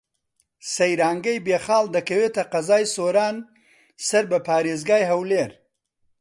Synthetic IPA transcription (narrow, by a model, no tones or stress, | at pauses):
sɐjɾɑːŋɡɐjbeːxɑːld̪ɐkɐwet̪ɐqɐzɑːjsoɾɑːn | sɐɾbɐpɑːɾeːzɡɑːjɦɐwleːɾ